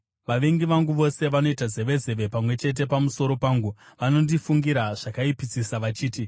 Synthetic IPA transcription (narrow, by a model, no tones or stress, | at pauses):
ʋaʋeŋɡiʋaŋɡuʋo̞se̞ʋano̞itaze̞ʋe̞ze̞ʋe̞pamwe̞t͡ʃe̞t̬e̞pamuso̞ɾo̞paːŋɡuʋano̞ndifuŋɡiɾaʐ̥akaipit͡sisaʋat͡ʃiːti